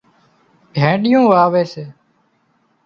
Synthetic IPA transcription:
ɡʱẽːɗɪjõːʋaːʋeːseː

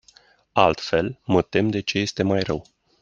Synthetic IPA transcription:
alt̪fe̞lmət̪e̞md̪e̞t͡ʃe̞je̞st̪e̞majrəw

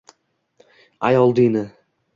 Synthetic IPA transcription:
ajɒlˠd̪inɪ

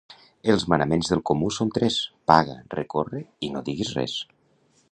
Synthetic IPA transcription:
əlˠzmanəmenzðəlˠkomusont̪ɾɛspaɣə̰rḛkorəinoðiɣizrɛ̰s

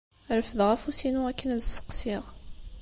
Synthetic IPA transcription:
ɾəfəðʁæfusinuækːənðəsə̥qsiʁ

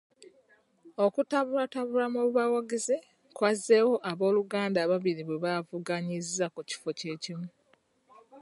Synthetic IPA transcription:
o̞kutaβuɾataβulamuβuβawaɡeze | kwazːe̞wo̞ʔaβo̞ːluɡaːndaːβaβiɾiβweβavuɡaɲizːakuci̥fo̞ce̞ːcimu

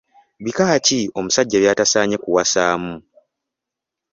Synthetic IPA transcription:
βikacio̞musaɟːeːβjaːtasaːɲe̞kuwasaːmu

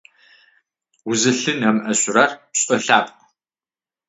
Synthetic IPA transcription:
wʊzɨɬɨnɐmʔɐɕʊrɐrpɕʼɐɬaːpʼq

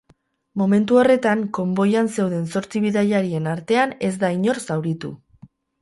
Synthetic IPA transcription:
mo̞me̞nt̪uo̞re̞t̪aŋko̞mbo̞janse̞wðe̞nso̞ɾt͡siβ̞iðaʎaɾie̞naɾt̪e̞ane̞zd̪aiɲo̞ɾsawɾit̪ṵ

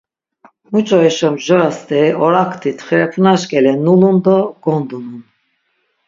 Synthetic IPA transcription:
mut͡ʃʼɔɛʃɔmʒɔɾast̪ɛɔɾakʰt̪ʰit̪ʰχɾɛpʰunaʃkʼɛlɛnulund̪ɔɡ̥ɔnd̪unun

